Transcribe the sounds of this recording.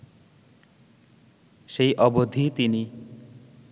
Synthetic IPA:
ʃejʔɔbod̪ʱit̪ini

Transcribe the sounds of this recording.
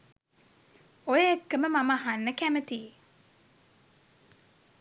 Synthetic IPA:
ojəekːəməmaməaɦanːəkæmət̪iː

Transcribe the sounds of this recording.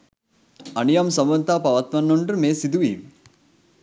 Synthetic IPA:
ɐnijɐmsɐmʋɐnt̪apɐʋat̪mɐnːoɳɖrɨmeːsid̪uʋiːm

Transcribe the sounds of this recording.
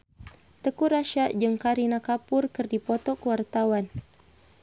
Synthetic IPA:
t̪əkuɾaʃaʔd͡ʒəŋkaɾinakapʊrkɨrdipɔt̪ɔkəwart̪awan

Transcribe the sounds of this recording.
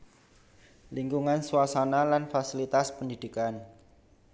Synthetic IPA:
liŋɡuŋansuasanalanfasilit̪aspəndid̥i̤kan

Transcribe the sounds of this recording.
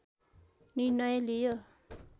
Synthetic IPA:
niɾnːʌjʌlijo

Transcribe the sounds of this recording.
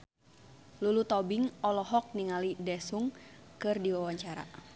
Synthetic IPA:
lulut̪ɔbiŋɔlɔɦɔk̚niŋalidɛsuŋkɨrdiwawaɲt͡ʃaɾa̰

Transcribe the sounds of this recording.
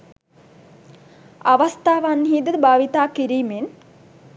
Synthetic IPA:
aʋast̪aːʋanɦiːd̪əd̪əbaːʋit̪aːkiɾiːmen

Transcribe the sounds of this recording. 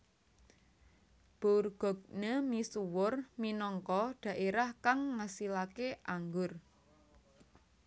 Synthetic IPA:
b̥orɡ̥ɔ̤ɡ̚nemisuwʊrminɔŋkɔɖ̥ä̤ʔeɾahkaŋːasilakeʔaŋɡʊr

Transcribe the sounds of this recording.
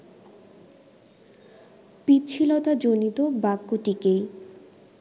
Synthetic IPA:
pit͡ɕʰilot̪ad͡ʑonit̪obakːoʈikej

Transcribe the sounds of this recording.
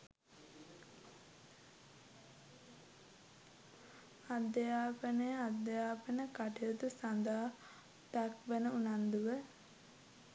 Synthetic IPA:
ad̪əjaːpənəjəad̪ːəjaːpənəkaʈijot̪usand̪aː | d̪akʋənəunand̪uʋə

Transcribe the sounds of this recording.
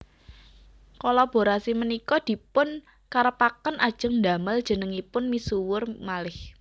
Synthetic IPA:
kolab̥o̤ɾasimənikɔd̪̥i̤pʊn | kaɾəpakənʔad̥ʒ̥ə̤ŋnd̪a̤məld̥ʒ̥ə̤nəŋipʊnmisuwʊrmalɪh

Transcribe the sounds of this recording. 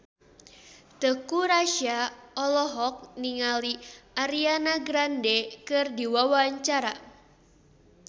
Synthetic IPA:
t̪əkuɾaʃiaɔlɔɦɔk̚niŋaliaɾianaɡɾandɛkɨrdiwawaɲt͡ʃaɾa

